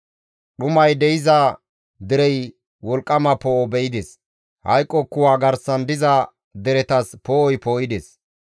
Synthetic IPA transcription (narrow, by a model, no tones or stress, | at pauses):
ɗʊmɐjd̪ɛjɪzɐ | d̪ɛɾɛj | wɔlkʼːɐmɐpoːbɛjɪd̪es | hɐ̰jkʼːɔkːʊwaːɡɐɾsɐnd̪ɪzɐ | d̪ɛɾɛt̪ɐspoːɔjpoːjɪd̪es